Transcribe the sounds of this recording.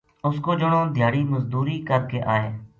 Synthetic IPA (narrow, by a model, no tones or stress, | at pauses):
ʊskoːd͡ʒʊɽõːd̪ʱɪjaːɽiːməzd̪uːɾiːkəɾkeːʔaːḛː